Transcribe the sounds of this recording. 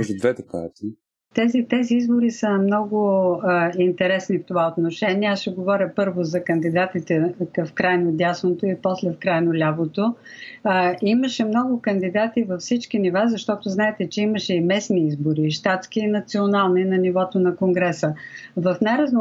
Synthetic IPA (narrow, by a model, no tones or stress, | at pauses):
ʒʊd̪vɛt̪ɛka̰t̪i | t̪ɛzit̪ɛziizboɾisəmnɔɡʊ | int̪ɛɾɛsnift̪ovaot̪noʃɛnʲiɛasʃɛɡovɔɾʲəpɤɾvozɐkɐnd̪id̪at̪it̪ɛkɐfkɾajnod̪ʲjasnot̪oipɔslɛfkɾajnolʲavot̪o | iməʃɛmnɔɡʊkɐnd̪id̪at̪ivɐfsit͡ʃkinivazɐʃt̪ɔt̪ʊznaɛt̪ɛt͡ʃɛiməʃɛimɛsniizboɾiʃt̪at̪sk̟iːnɐt̪sionalˠninɐnivɔt̪onɐkoŋɡɾɛsəvɐfnajɾɐzn